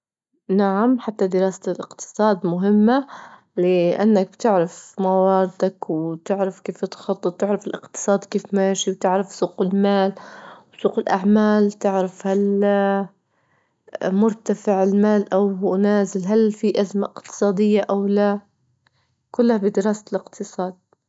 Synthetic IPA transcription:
naʕamħat̪ːad̪ɪɾɑːsalʔɪqt̪ɨ̥sˤɑːd̪mʊɦɪmːa | lɪʔa̰nːak̚bt̪ɪʕɾafmawɑːɾɪd̪akwt̪ɪʕɾafkeːft̪xɑt̪ˤːɨt̪̚ˤt̪ɪʕɾafɪlʔɪqt̪ɨ̥sˤɑːd̪keːfmaːʃiwt̪ɪʕɾafsuːqɪlmaːlwsˤuːqɪlʔaʕmaːlt̪ɪʕɾafhal | mʊɾˤt̪afɪʕɪlmaːlʔawnaːzɪlɦalfiʔazmaʔɪqt̪ɨ̥sˤɑːd̪ɪjːaʔawla | kʊlːhabɪd̪ɪɾɑːsḁlɪqt̪ʰɨsˤɑːd̪̚

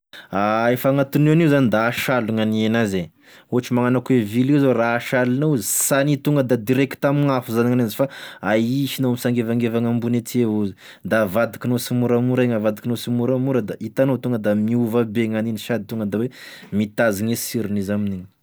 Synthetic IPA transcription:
aefaŋat̪uneanizanid̪aːʃaluŋanienaze | uaʈ͡ʂimaŋanakuevilizoraːʃalinouzisanit̪uŋɡəd̪ad̪iɾeki̥t̪amiŋafuzaniŋanazifaaiʃinoamisaŋɡevaŋɡevaŋambunet͡s̪ieuzi | d̪avad̪ikinosimuɾamuɾaŋavad̪ikinosimuɾamuɾəd̪aʔit̪anowt̪uŋɡəd̪amiuvabeŋaniniʃad̪it̪uŋɡəd̪awemit̪aziŋesiɾinizaminini̥

